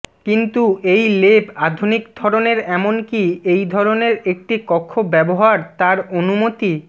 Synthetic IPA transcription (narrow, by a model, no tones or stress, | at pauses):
kint̪uejlebad̪ʱunikd̪ʱɔɾoneɾɛmonkiejd̪ʱɔɾoneɾek̚ʈikɔkʰːobɛboɦaɾt̪aɾonumot̪i